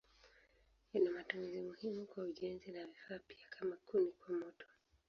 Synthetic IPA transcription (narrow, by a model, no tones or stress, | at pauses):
inamatumizimuhimukwauʄɛnzinavifaːpi̥akʰamakunikwamɔtʰɔ̥